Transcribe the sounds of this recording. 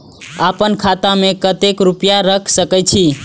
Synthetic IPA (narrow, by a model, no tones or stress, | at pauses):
apənkʰat̪amekət̪ekɾupjaɾəkʰsəkɛjt͡ʃʰi